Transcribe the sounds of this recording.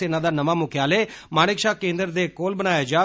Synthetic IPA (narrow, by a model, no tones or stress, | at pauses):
eːnãːd̪aːnəmaːmʊkʰjaːleːmaːɽ̃ɪkʃaːkẽːnd̪əɾd̪eːkoːlbəñaːjaːd͡ʒaː